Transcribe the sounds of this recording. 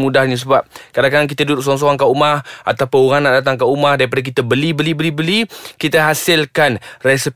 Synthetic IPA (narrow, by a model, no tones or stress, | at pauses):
mũdahɲus̬əbap̚kadaŋkadaŋk̬it̪aduduʔ̚s̬ɔŋs̬ɔaŋkaʔumaha̰t̪apʊnuɣaŋnaʔdat̪aŋkaʔumãhdaɾip̬adak̬it̪əbəlibəlibəlibəlikit̪aɦasɪlkanrɛsip